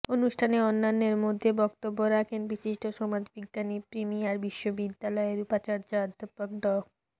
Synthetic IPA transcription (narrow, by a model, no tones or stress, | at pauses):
onuʃʈʰaneɔnːanːeɾmod̪ʱːebɔkt̪obːoɾakʰenbiʃiʃʈoʃɔmad͡ʑbiɡːanipɾimiaɾbiʃːobid̪ːalɔeɾupat͡ɕaɾt͡ɕaɾd̪ʱpokɖɔ